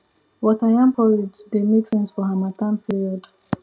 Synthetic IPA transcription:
wɔtajãmpʰɔɹid͡ʒdemeksɛ̃nsfɔɦamatʰãnpʰiɹiɔd

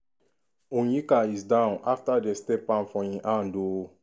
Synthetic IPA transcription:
ũnikaizdãʊ̃nʔaftadestɛpãnfɔĩʔãndo

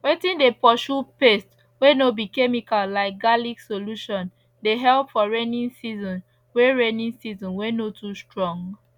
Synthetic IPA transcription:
wetĩndepɔʃupest | wenobikemikallaɪk̚ɡaliksoluʃɔ̃n | deɦɛlpfɔɹenĩnsizɔ̃n | weɹenĩnsizɔ̃nwenotʰustɹɔ̃ŋɡ

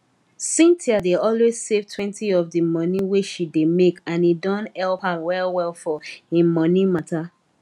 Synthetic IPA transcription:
sĩntʰiadeɔlwez̥sevtʰwɛ̃ntiɔvdɨmɔniweʃidemekãnidɔ̃nɛlphawɛlwɛlˠfɔɪ̃mɔ̃nimata

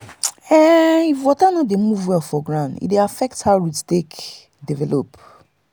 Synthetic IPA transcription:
ɛifwɔtanɔ̃demuvwɛlfɔɡɹãʊ̃ndḭdeafɛk̚thaʊɹitstek | divɛlop

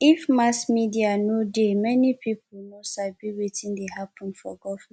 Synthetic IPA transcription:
ifmasmidianodemɛnipʰipʊl̩nosabiwetĩndeɦapʰɔ̃nfɔ̰ɡɔfĩ

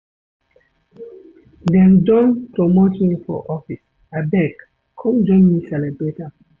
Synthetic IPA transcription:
dɛ̃nd͡ʒɔ̃npɾɔmotĩŋfɔ̰ʔɔfis | abɛk | kʰɔ̃md͡ʒɔ̃nmisɛlɛbɹeta

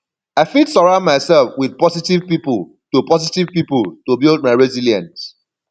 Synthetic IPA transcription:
aɪfidsɔɹãʊ̃nmaɪsɛlfwiðpɔsitiv̥pipul | tupɔsitiv̥pipultubild̚maɪɹɛziljãnt

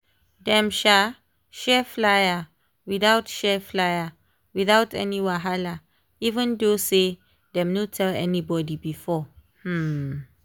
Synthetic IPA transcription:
dɛ̃mʃa | ʃɛflaja | wiθawtʃɛflaja | wiθawtɛ̰niwaɦala | ivə̃ndose | dɛ̃mnotʰɛlɛ̰nibɔdibifɔh̩

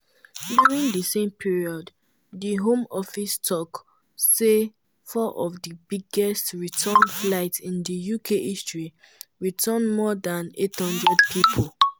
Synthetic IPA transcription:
djuɹĩŋdəsẽmpʰiɹiɔd | dəɦõmɔfistʰɔk | se | fɔʔɔvdəbiɡɛstɹitʰə̃nflaɪtĩndəjukʰeʔistɹi | ɹitʰə̃nmɔdãnethʌ̃ndɹɛd̚pʰipʰol

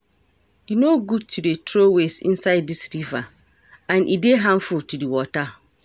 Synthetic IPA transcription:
inoɡud̚tʰudetʰɾowesḭ̃nsaɪd̚ːisɾiva | ãnʔideɦãɱfultʰudiwɔta

